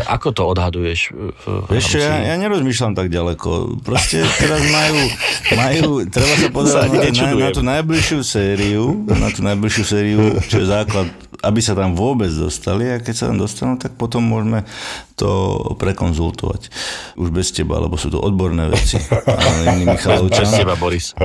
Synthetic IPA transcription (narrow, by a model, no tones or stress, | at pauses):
ʔa̰kɔt̪ɔɔd̪ɦad̪ujɛʃ | ɛʃt͡ʃɛjajaːɲɛɾɔzmiːʃlamt̪aɡɟalɛkɔ̰pɾɔscɛt̪ɛɾazmajuːmajuːt̪ɾɛbasapɔzɛɾanat̪ɛnnat̪uːnajbliʃɪusɛːɾiuna̰t̪uːnajbliʃjusɛːɾiut͡ʃɔjɛzaːklat̪ | ʔabisat̪amʋʊɔbɛd͡zd̪ɔ̰st̪aliakɛcsat̪a̰md̪ɔst̪anuːt̪ak̚pɔt̪ɔmːʊɔʒmɛt̪ɔ̰pɾɛkɔnzṵlt̪ɔ̰ʋa̰cʔuʒbɛscɛba̰a̰lɛ̰bɔsuːt̪ɔ̰ʔɔd̪̚bɔɾnɛ̰ːʋ̰ɛ̰t͡sḭa̰inːimmixalɔʊaɛbabɔɾis